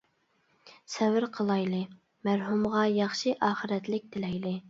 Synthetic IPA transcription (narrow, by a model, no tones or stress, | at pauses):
sɛvɪɾqʰəlˠɑjlˠɨ | mæɾɦumʁɑjɑχʃiʔɑːχɨɾɛt̪lɪk̚ʲd̪ɪlɛjlɪ